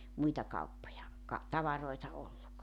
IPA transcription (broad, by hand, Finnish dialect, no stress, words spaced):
muitɑ kɑupːojɑ kɑ tɑʋɑroitɑ olːuk